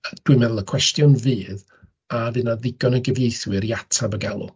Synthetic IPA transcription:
d̥wɨmɛðəlˠəkʰw̥ɛstjɔnvɨːð | avɨnaðɪɡɔnəɡəvjejθwɨɾiatʰabəɡalˠʊ̰

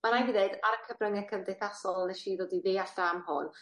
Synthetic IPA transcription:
manajviðeɨdaɾəkʰəbrəŋɛkʰəndɪθasɔlˠnɛʃiːɾoːdiðeːard̥amɦʊ̰n

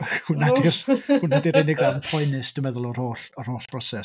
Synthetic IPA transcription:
hunadirhunadiɾɪnɪɡranpʰɔjnɨsd̥əmɛðʊlˠɔr̥oːɬɔr̥hoːɬb̥rɔsɛs

